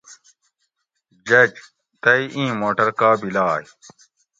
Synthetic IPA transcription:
d͡ʑɐd͡ʑ | t̪ɐiʔĩːmoːʈɐɾkaːbilaːj

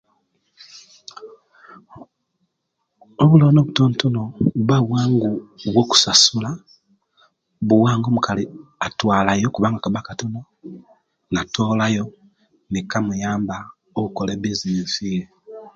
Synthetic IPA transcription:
oβulonoβutoːntonoβaβwaːŋɡuβwo̞ku̥sasula | βuwaːŋɡo̞ːmukaliatwaːlajo̞kuβaːŋɡakaβakatuno | natoːlajo̞ | nikamujaːmba | oβukoleβiziiɱfije

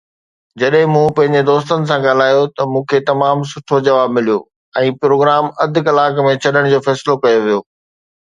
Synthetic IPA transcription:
d͡ʑɐɗɦɪ̃mũpɐ̃ɦɪ̃ɲd͡ʑed̪oːst̪ənɪ̆s̬ãɡaːl̤aːjot̪ɐmũːkʰet̪ɐmaːms̬ʊʈʰod͡ʑɐʋaːbmɪlijo̰ | ɛ̃ːpɾoːɡɾaːmɐd̪ʱʊ̆kɐlaːkmẽt͡ɕʰɐɗəɽ̃d͡ʑoːfɛːsɪlokɐjoʋijoː

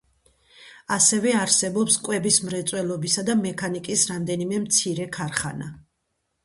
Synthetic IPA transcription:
asɛvɛaɾsɛbɔpskʼwɛbismɾɛt̪sʼwɛlˠɔbisad̪amɛkʰanikʼisɾamd̪ɛnimɛmt̪sʰiɾɛkʰaɾχa̰na

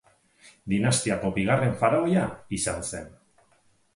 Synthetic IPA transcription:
d̪inast̪iako̞biɣ̞are̞ɱfaɾaojaisanse̞n

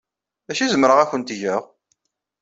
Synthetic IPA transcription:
ðæʃizəmɾəʁæçənt̪ʝəʁ

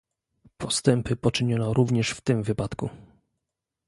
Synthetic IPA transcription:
pʰɔst̪ɛmpɘpɔt͡ʂɘɲɔnɔɾʔuvɲɛʂft̪ɘmvɘpat̪kṵ

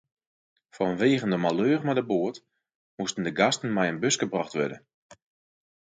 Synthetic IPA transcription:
fɔnʋeːɣəndəmaløːrmadəboət | mustən̩dəɡastən̩mɛjənbøsɡ̥əbrɔχtʋø̰də̰n

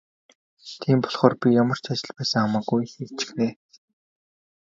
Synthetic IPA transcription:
t̪ʰiːmpɔɮχɔːrpʲijamə̆r̥t͡ɕat͡ɕɪ̆ɮpæːsə̆ŋamaːɡujxekt͡ɕɪ̥̆xneː

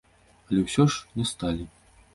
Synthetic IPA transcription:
ɐlʲɛwsʲɔʂnʲɛst̪alʲi

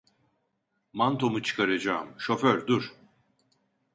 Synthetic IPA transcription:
mant̪ʰo̞mut͡ʃʰɯ̥kʰaɾad͡ʒaːmʃo̞føɾd̪uɾ̥

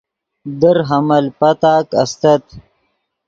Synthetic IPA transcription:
d̪əɾɦɐmɐlpɐt̪aːkɐ̰st̪ɐt̪

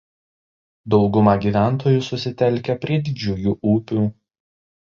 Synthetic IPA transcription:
d̪ɒʊɡʊmɐɡʲiːˑʋʲæˑnt̪oːjuːˑsʊsʲɪt̪ʲɛlʲˑkʲɛpʲɾʲiɛd̪ʲɪd͡ʒʲʊːjuːʔuːpʲuː

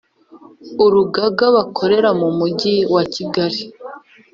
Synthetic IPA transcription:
uɾuɡaɡaβakʰo̞ɾe̞ɾamumuɟiwaciɡaɾi

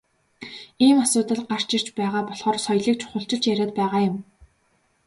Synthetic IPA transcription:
iːmasʊːt̪ə̆ɮɢar̥t͡ɕɪr̥t͡ɕpæːʁaːpɔɮχɔːrsɔjɮiːk̚t͡ɕʰʊ̥χə̆ɬt͡ɕɪ̆ɬt͡ɕjæɾʲæːt̪̚pæːʁaːjʊ̆m

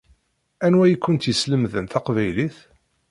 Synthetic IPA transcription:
ænwæjikʷːʊnt̪jəsləmðənt̪æqvæjliθ

